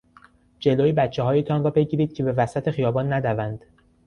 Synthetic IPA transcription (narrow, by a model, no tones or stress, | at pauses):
d͡ʒe̞loːjibæt̪t͡ʃʰːeɦɒːjet̪ʰɒnrɒːbe̞ɟiːɾiːd̪̥̚cʰe̞be̞væsæt̪ʰe̞xijɒːbɒːnːæd̪ævænd̪̥